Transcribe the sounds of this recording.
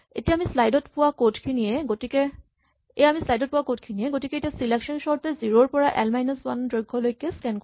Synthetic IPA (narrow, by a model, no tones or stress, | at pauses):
ḛtijamislajdɔtpʊwakotkʰiniɛɡotikɛ | ejamislajdɔt̚pʊwakotkʰinijɛɡotikɛetiasileksɔnsɔɹtɛziɹoɹpɔɹaʔɛlmajnaswandɹojɡʱːɔlojkɛskɛnk